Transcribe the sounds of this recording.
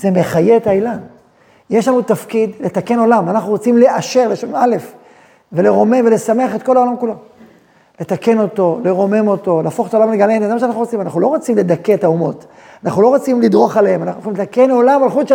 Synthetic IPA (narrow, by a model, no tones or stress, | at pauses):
z̥e̞me̞χajeetailan | jeʃlanut̪afkidle̞t̪ake̞no̞lamanaχnuʁot͡simle̞ʔaʃe̞ʁleʃonale̞f | ve̞le̞ʁo̞me̞mvele̞same̞aχe̞t̪̚ko̞laolamkulo̞ | le̞t̪ake̞no̞to̞le̞ʁo̞me̞mo̞to̞leːfoχet̪aolamleɡalenzemaʃeanaχnuʁot͡simanaχnulo̞ʁot͡simle̞d̪aketaumo̞t | anaχnulo̞ʁot͡simlid̪ʁo̞χalehemanaχnuoχimlet̪ake̞nolamalχudʃ